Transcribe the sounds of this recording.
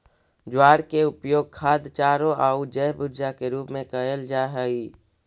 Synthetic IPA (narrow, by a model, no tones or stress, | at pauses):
d͡ʒʊwaːɽkeʊpjoːɡ̚kʰaːd̪t͡ʃaːɾoʔaːud͡ʒəjbʊɾd͡ʒakeɾuːpmẽkəəld͡ʒaɦɛi